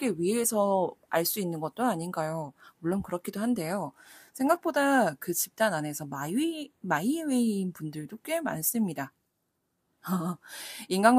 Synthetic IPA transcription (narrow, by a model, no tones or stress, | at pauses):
k͈e̞ɥiesʰʌaɭs͈uinːɯnɡʌt̚t͈oaɲinɡajomuɭːonkɯɾʌkʰidohande̞josʰe̞ŋɡak̚p͈odakɯt͡ɕip̚t͈anane̞sʰʌmaimaiwe̞inpundɯɭdok͈e̞ma̰ns͈ɯmɲida | inɡaŋ